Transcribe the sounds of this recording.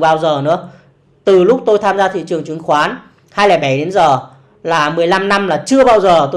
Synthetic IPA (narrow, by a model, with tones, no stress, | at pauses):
ɓaː˧wzəː˨˩nɨ̰˧˥ə | t̪ɨ˨˩lʊ˦˥k͡p̚t̪o˧jt̪ʰaː˧mzaː˧t̪ʰḭ˧˨t͡ɕɨ˨˩əŋt͡ɕwi˨˩˦ŋxwaː˨˦n | haː˧jlaː˨˩jɓa˧˩jɗe˨˦nzəː˨˩ | laː˨˩mɨ˨˩əjla˧mna˧mlaː˨˩t͡ɕɨ˧əɓaː˧wzəː˨˩t̪o˧